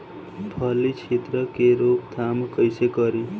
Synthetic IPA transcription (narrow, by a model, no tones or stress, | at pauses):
pʰʌlit͡ʃʰit̪ɾʌkeɾokd̪ʰʱamkʌjsekʌɾi